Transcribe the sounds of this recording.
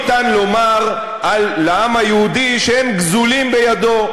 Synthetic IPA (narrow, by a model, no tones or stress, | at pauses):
t̪anlo̞maʁ | ʔalːeamajehud̪iʃehemɡzulimbejad̪o̞